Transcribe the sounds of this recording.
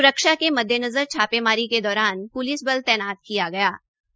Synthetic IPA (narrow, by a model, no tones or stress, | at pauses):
ʊɾəkʃakemɐd̪ʱːjənɐzəɾt͡ʃʰaːpemaːɾiked̪ɔːɾaːnpʊliːsbɐlt̪ɛːnaːt̪̚kijaɡɐjaː